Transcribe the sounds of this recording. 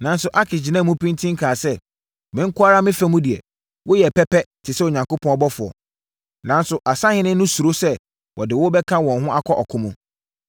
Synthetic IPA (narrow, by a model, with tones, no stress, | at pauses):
nã˨n˦sʊ˨ʔa˦kʰɪ˨d͡ʑi˨nã˦˨mũ˦pʰĩ˦ntʰĩ˦ŋ̩˦kʰaː˨sɛ˦ | mɪ̃˨˦ŋ̩˦kʰʊ˦a˦ɾa˦mɪ̃˦fɛ˦mũ˦di˨ɛ̰˨ | wʊ˦jɛ˨pʰɛ˦pɛ˦tʰɪ˨sɛ˦o˨ɲã˨ŋko˦pʰɔ̃˦nɔ˦bɔ˦fʊ˨ɔ̰˨ | nã˨˦nsʊ˨ʔa˨sa˦hɪ̃˦nɪ̃˦nʊ̃˦su˨ɾo˦sɛ˦ | wʔɔ˨dɪ˨wʊ˦bɛ˦kʰã˦wɔ̃˨nɦʊ̃˦ʔa˦kʰɔ˦ʔɔ˨kʰʊ̃˦mũ˦